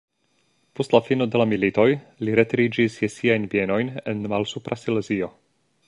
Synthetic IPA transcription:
po̞stlafino̞de̞lamilito̞jliɾe̞tɾid͡ʒisjesiajnbie̞no̞jne̞nmalsupɾasilezio̞

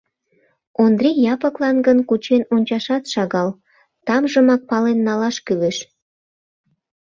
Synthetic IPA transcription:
ond̪rijɑpəklɑnɡənkut͡ɕenonʲt͡ɕɑʃɑt̪ʃɑɣɑl | t̪ɑmʒəmɑk̚pɑlenːɑlɑʃkyleʃ

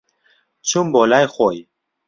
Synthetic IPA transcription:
t͡ɕʰumbolajχoj

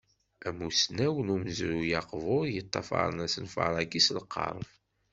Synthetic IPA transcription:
æmusnæwənuməzɾujɑqvʊɾjət̪ˤːɑ̰fɑ̰ɾˤənæsənfɑ̰ɾˤɑɡislqːɑ̰ɾˤf

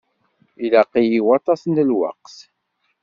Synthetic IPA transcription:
ilæqːijiwɑt̪ˤɑsənt̪əlwɑ̰qθ

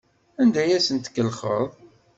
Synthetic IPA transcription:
ænd̪æjæsənt̪kːəlχəðˤ

